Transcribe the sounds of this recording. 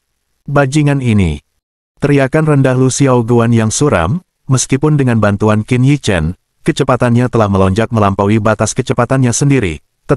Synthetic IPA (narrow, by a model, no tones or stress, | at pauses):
bad͡ʒiŋaninḭ | t̪əɾiakanrəndahlusiauɡuanjaŋsuɾa̰mː | əskipʊndəŋanbant̪uankinjit͡ʃɛ̰n | kət͡ʃəpat̪anɲat̪əlahməlɔɲd͡ʒak̚məlampawibat̪askət͡ʃəpat̪anɲasəndiɾḭ | t̪